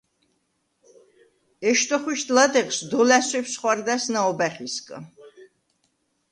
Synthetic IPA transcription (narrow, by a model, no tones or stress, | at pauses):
ɛʃt̪ʼɔχwiʃt̪ʰʼlad̪ɛχsd̪ɔlæswɛpsχwaɾd̪asnaɔbæχiskʼ